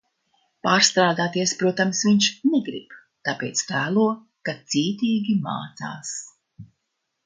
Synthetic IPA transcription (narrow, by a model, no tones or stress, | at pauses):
paːɾst̪ɾaːd̪aːt̪iɛspɾuɔt̪amsviɲʃnɛɡɾḭb | t̪apḛːt̪st̪aːlˠuɔ | kat̪siːt̪ʲiːɡʲima̰ːt̪sa̰ːs